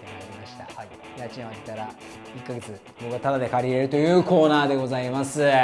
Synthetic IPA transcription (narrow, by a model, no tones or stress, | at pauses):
t̪enaɾʲimaɕi̥t̪a | jat͡ɕiãat̪et̪aɾa | ikːaɡe̞t͡sɨ | bo̞kɯat̪ad̪ad̪e̞kaɾʲiɾe̞ɾɯ̟t̪o̞jɯ̟ːko̞ːnaːd̪e̞ɡo̞zaimasɨ